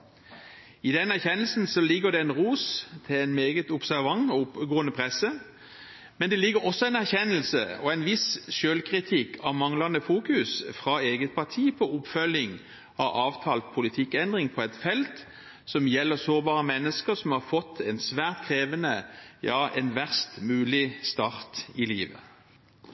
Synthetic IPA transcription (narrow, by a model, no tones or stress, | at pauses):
ɪd̪ɛnæʁçɛnəlsn̩sɔlɪɡːəʁd̪ɛɛnʁuːst̪ʰɪlɛnmeːɡət̪ʊpsæʁʋɑŋʊpɡoːənəpʰʁɛsːə | mɛnd̪ɛlɪɡːəɾɔsːɔɛɪnæʁçɛnəlsə̰ɔɛɪnʋɪsʃøːlkʰʁɪt̪ʰɪkːʰɑmɑŋlɑnəfuːkʉsfʁɑeːɡət̪̚pʰɑt̪ʰiːpʰɔʊpfœlɪŋ | ɑɑːʋt̪ʰɑːlt̪pʰʊlɪt̪ʰɪkːɛnd̪ʁɪŋpʰɔɛt̪fɛlt̪ | sɔmjɛlːəʁsoːʁbɑːʁəmɛnːəskəɾsɔmhɑɾfɔt̪ʰːɛnsʋæːʁt̪kʰʁeːʋənəjɑːʔɛnʋæʁst̪mʉːlɪst̪ɑʁt̪ɪliːʋə